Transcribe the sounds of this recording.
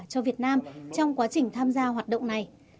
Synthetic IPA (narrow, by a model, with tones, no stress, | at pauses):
t͡ɕɔ˧vi˨˩ət̚naː˧mt͡ɕɔ˧wŋ͡mkwaː˨˦t͡ɕï˨˩ŋ̟t̪ʰaː˧mzaː˧ɦwaː˨˩t̚ɗə̰˧˨wŋ͡mna˨˩j